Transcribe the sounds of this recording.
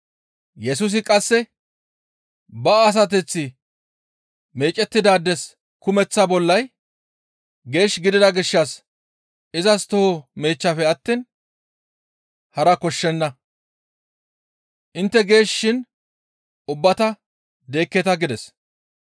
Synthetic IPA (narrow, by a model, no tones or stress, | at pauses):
jɛs̬uːs̬ɪkʼɐsːɛ | bɐːs̬ɐt̪ɛt͡sːɪ | me̞ːt͡ʃʼɛt̪ːɪd̪aːd̪ːɛs | kʊmɛt͡sːɐbɔlːɐj | ɡe̞ːʃɡɪd̪ɪd̪ɐɡɪʃːɐs | ɪzɐst̪ɔhɔme̞ːt͡ʃːɐfɛɐt̪ːiːn | hɐɾɐkɔʃːɛnːɐ | ʔɪnt̪ːɛɡe̞ːʃːɪn | ʊbːɐt̪ɐ | d̪e̞ːkːɛt̪ɐɡɪd̪ɛs